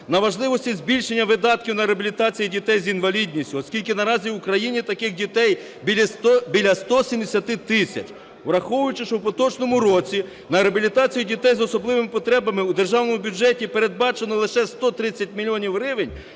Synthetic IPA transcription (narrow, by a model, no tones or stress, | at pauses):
nɐʋɐʒlˠɪʋɔsʲtʲizʲbʲilʲʃe̞nʲːɐʋɪd̪ɑt̪̚kʲiwnɐɾeɐbʲilʲit̪ɑt͡sʲijidʲit̪ɛjzinʋɐlʲidʲnʲisʲtʲʊɔskʲilʲkɪnɐɾɑzʲiʊkɾɐjinʲit̪ɐkɪxdʲit̪ɛj | bʲibʲilʲɐst̪ɔsʲimd̪esʲɐt̪ɪt̪ɪsʲɐ̰t͡ʃ | ɾɐxɔwʊjʊt͡ʃɪʃɔwpɔt̪ɔt͡ʃnɔmʊɾɔt͡sʲi | nɐeɐbʲilʲit̪ɑt͡sʲijidʲit̪ɛjzɔsɔblˠɪʋemɪpɔt̪ɾɛbɐmɪud̪erʒɑwnɔmʊbʲud͡ʒɛtʲipeɾe̞d̪̚bɑt͡ʃenɔlˠɪʃɛst̪ɔt̪ɾɪt͡sʲːɐt̚ʲmʲilʲijɔnʲiwrɪʋenʲ